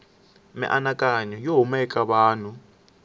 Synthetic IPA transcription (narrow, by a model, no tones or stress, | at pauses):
mɛ̰ʔanakʼaɲɔjoɦumɛkʼaβaːnu